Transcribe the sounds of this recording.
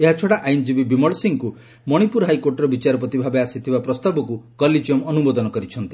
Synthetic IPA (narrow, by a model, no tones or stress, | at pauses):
eɦat͡ʃʰɔɽaʔajnd͡ʒibibimɔɭsiŋku | mɔɽ̃ipuɾɦajkoɾʈɔɾɔbit͡ʃaɾɔp̬ɔt̪ibʱabeasit̪ʰibapɾɔst̪abɔkukɔlid͡ʒiɔmɔnumɔd̪ɔnɔkɔɾit͡ʃʰɔnt̪i̥